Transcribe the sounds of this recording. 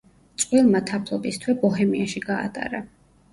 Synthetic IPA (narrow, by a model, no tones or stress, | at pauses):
t̪sʼqʼwilˠmat̪ʰapʰlˠɔbist̪ʰwɛbɔɦɛmiaʃiɡa̰ːt̪ʼa̰ɾa